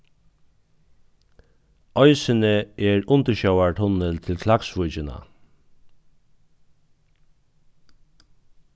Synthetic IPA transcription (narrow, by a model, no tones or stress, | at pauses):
ʔɔʏsənəeːɹʊnt̪əʃœʊaɹʈ̪ʰʊnəlt̪ʰɪlkʰlɑksʋʊt͡ʃənɑ̰